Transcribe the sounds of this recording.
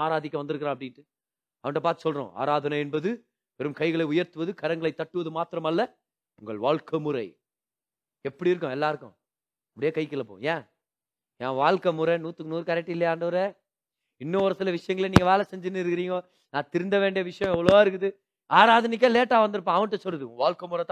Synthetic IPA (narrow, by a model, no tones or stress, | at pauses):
aːɾaːðɪkʲːɐʋɐnd̪ɯɾɯkːɯɾãːɐp̬ːɐɽɪʈːɯ | ɐʋɐnʈːɐpaːɾt̪ɯ̥sɔlrɾõ̰ːa̰ːɾaːðɐnɐɛnbɐðɯ | pɛɾɯmkɐɪɣɐɭɐɪʊjɐɾt̪ɯʋɐðɯkɐɾɐŋɡɐɭɐɪt̪ːɐʈːɯʋɐðɯmaːt̪ɪɾɐmɐlːɐ | ʊŋɡɐɭʋaːɭkɐmʊɾɐ̰ɪ | ɛpːɐɽiɪɾɯkːʊ̃ɛlːaːɪɾɯkːʊ̰̃ | ɐpɐɽɪjeːkɐɪkɪlːɐpːo̰ːjẽː | jẽːʋaːɭkɐmʊɾɐnuːt̪ːɯkːnuːɾɯkaːɾɛʈːɪlːɐjaːɳɖɐʋɐɾe | ɪnːɐɔɾɐsɪlɐʋɪʂɐjɐŋɡɐɭeniːŋɡɐʋeːlɐsɛɲd͡ʒɪnːɯɪɾɯkːɪɾiːŋɡoː | nãːt̪ɪɾɯnd̪ɐʋeːɳɖɪjɐʋɪʂɐjɔ̃ɛʋːɐɭoːaːɪɾɯkːɯðɯ | aːɾaːðɐnɪk̬ːeːleːʈːaːʋɐnd̪ɯɾɯpːãːɐʋɐɳʈːɐsɔlːɐðɯʊŋɡɐʋaːɭkɐmʊɾɐt̪ː